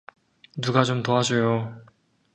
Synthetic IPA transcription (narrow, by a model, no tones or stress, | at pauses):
nuɡat͡ɕomtoad͡ʑojo